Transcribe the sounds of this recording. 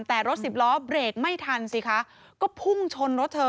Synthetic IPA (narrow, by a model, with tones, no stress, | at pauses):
t̪ɛː˨˩ɾo˦˥t̪̚si˨˩p̚lɔː˦˥bɾeː˨˩k̚ma˥˩jt̪ʰa˧nsi˨˩kʰa˦˥ | kɔː˥˩pʰu˥˩ŋt͡ɕʰo˧nɾo˦˥t̪ʰːɤː˧